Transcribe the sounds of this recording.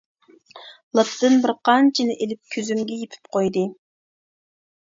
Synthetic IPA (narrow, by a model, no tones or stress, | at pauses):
lˠɑt̪ːɨnbɪɾqʰɑnt͡ʃʰinɪʔelɪp̚kʲʰøzymɡʲɛjepʰy̥p̚qʰojd̪ɨ